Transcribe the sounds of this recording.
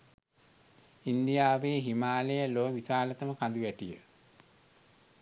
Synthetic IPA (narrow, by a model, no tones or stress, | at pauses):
ind̪ijaːʋeːɦimaːlejəloːʋisaːlət̪əməkand̪uʋæʈijə